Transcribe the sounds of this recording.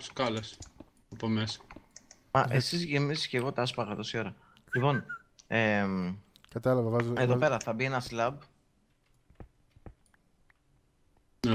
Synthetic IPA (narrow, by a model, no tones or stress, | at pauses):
skɐles | ɐpomesɐ̥ | mɐʔesizʝemisisce̞ɣo̞t̪ɐspɐɣɐðosio̞ɾɐ | lipo̞n | emkɐt̪ɐlɐvɐvɐzeðope̞ɾɐθɐbie̞nɐslɐb | ne